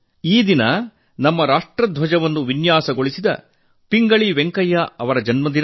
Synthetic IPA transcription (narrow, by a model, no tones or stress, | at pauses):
iːd̪inɐ | nɐmːɐɾaːʂʈɾɐd̪ʱʋɐd͡ʒɐʋɐnːuʋinjaːsɐɡoɭisid̪ɐ̰ | piŋɡɐɭiʋeŋkɐjːaɐʋɐɾɐd͡ʒɐnmɐnd̪iɾ